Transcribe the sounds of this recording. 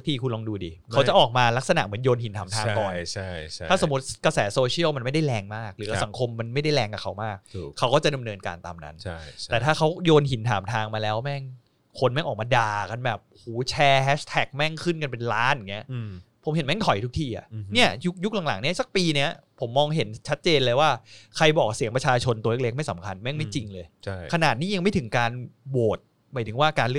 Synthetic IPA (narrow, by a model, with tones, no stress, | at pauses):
kt̪ʰiː˧˩kʰu˧nlɔː˧ŋduː˧diː˧˩kʰa˦˥wt͡ɕa˨˩ʔɔː˨˩k̚maː˧la˦˥k̚sa˧na̰˨˩ʔmɯ˩˦ənjoː˧nhi˩nt̪ʰaː˨˩˦t̪ʰaː˧ŋt̪ɔː˧˩a˥aː˥˩so˩˦mː˦u˦˥t̪̚ka˧sɛː˩˦soː˧t͡ɕʰi˥˩əwma˧nma˥˩jda˥˩jlɛː˧ŋmaː˥˩k̚ɾɯː˩˦wa˧˥˩sa˩˦ŋkʰo˧mːa˧nma˥˩jda˥˩jlɛː˧ŋkaː˨˩kʰa˦˥wmaː˥˩k̚ʰːa˦˥wkɔː˥˩t͡ɕa˨˩da˧mnɤː˧nka̰ː˧nt̪a̰ː˧mna̰˦˥nʰ˥t̪ɛː˨˩t̪ʰaː˥˩kʰa˦˥wjoː˧nhi˨˩˦nt̪ʰaː˩˦mt̪ʰaː˧ŋmaː˧lɛː˦˥wmɛ˥˩ŋ | kʰo˧nmɛː˥˩ŋʔɔː˨˩k̚maː˧daː˨˩ka˧nbɛː˨˩p̚huː˩˦t͡ɕʰɛː˧hɛː˦˥st̪ʰɛ˨˩k̚mɛ˥˩ŋkʰɯ˥˩nk̬a˧npe˧nlaː˦˥n˨˩ŋːi˦˥ɐpʰo˩˦mhe˩˦nmɛ˦˥ŋt̪ʰɔ˨˩jt̪ʰu˦˥kt̪ʰiː˥˩ʔa̰˨˩ʔni˥˩ɐju˦˥k̚ju˥k̚la˨˩˦ŋla̰˩˦ŋni˦˥ɐsa˨˩k̚piː˧ni˦˥ɐpʰo˩˦mːɔː˧ŋɦe˩˦nt͡ɕʰa˦˥t̪̚t͡ɕeː˧nlɤː˧jwaː˥˩kʰa˧jbɔː˨˩k̚si˨˩˦ŋpɾa˧t͡ɕʰaː˧t͡ɕʰo˧nt̪u˧l̚le˦˥ma˥˩jsa̰˩˦mkʰa˧nmɛ˥˩ŋma˥˩jt͡ɕi˧ŋlɤː˧jt͡ɕʰa˥kʰa˧naː˨˩t̪̚niː˥˩ja˧ŋma˥˩jt̪ʰɯ˩˦ŋkaː˧nboː˨˩t̪̚ | maː˨˦jt̪ʰɯ˩˦ŋwaː˥˩kaː˧nlɯ˥˩